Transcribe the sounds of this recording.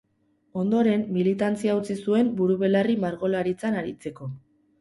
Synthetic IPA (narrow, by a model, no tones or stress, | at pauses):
o̞nd̪o̞ɾe̞mːilit̪ant͡siaut͡sisue̞mbuɾuβe̞larimaɾɣo̞laɾit͡sanaɾit͡se̞ko̞